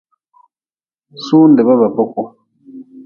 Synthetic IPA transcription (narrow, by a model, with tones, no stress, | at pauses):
suː˦ndɛ˨βa˦βa˨bɔ˦kɔ˦